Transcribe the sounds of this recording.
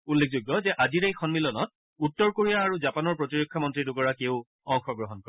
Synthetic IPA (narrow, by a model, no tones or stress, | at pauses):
ulːekʰzuɡːɔzɛʔaziɹejxʰɔnmilɔnɔt̚ | utːɔɹkoɹijaːɹuzapanɔɹpɹɔtiɹokʰːamɔntɹidukɔɹakeʊ | ɔŋxɔɡɹɔɦɔnkɔɹɛ